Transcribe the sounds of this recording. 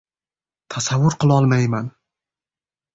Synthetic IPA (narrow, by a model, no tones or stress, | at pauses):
t̪ʰasavːʊɾqɨlˠɒlˠmajman